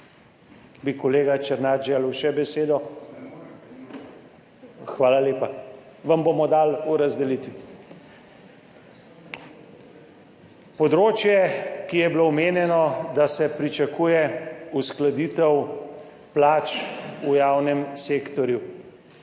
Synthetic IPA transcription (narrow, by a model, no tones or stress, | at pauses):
bikɔleːɡat͡ʃɛɾnat̪ʒeːlwʃɛbɛseːd̪ɔ | xʋaːlaleːpa | ʋɐmbomɔd̪aluɾazd̪ɛlit̪ʋi | pɔd̪ɾoːt͡ʃjɛkijɛbilowmeːnjɛnɔd̪asɛpɾit͡ʃakuːjɛusklad̪iːt̪ɛw | plaːt͡ʃujaːwnɛmseːkt̪ɔɾju